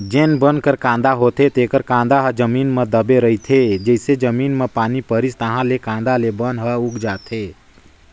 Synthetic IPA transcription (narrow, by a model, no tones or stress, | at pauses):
d͡ʒenbənkəɾkãːnd̪aɦot̪et̪ekəɾkãːnd̪aɦəd͡ʒəmiːnmə̃d̪əbeɾəɦit̪ʰed͡ʒəɦsed͡ʒəmiːnmepaːnipəɾist̪əɦãlekãːnd̪alebənɦəuɡd͡ʒaːt̪ʰe